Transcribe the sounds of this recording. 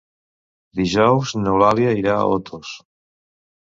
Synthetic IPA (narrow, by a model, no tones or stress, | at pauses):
d̪iʒɔwznewlaljaiɾaa̰ot̪ʰos